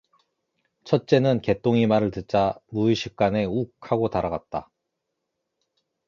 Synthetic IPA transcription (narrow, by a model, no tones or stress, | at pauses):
t͡ɕʰʌt̚t͡ɕ͈e̞nɯnke̞t͈oŋimaɾɯɭtɯt̚t͡ɕ͈amuiɕʰik̚k͈ane̞ukʰaɡotaɾaɡat̚t͈a